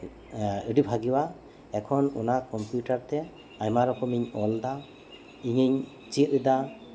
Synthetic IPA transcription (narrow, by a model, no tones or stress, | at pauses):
ɯɖibʱaɡiwa | ɛkʰɔnṵnakɔmpjuʈaɾt̪ɛ | ajmaɾɔkʰɔmiɲɔld̪a | iɲiɲ | t͡ʃiʔɯd̪a